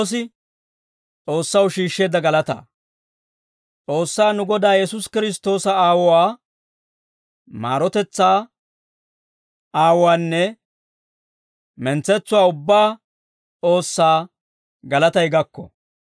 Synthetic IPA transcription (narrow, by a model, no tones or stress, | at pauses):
s̬ɪ | t͡sʼo̞ːsːɐwʃiːʃːe̞ːd̪ɐɡɐlɐt̪ɐ̰ | t͡sʼo̞ːsːaːnʊɡɔd̪aːjɛsʊskɪɾɪs̬t̪o̞ːsɐaːwɔwaː | ma̰ːɾɔt̪ɛt͡sːaː | ʔaːwwaːnːɛ | mɛnt͡sːɛt͡sːʊwaːʊbːaː | t͡sʼo̞ːsːaː | ɡɐlɐt̪ɐjɡɐkːɔ̰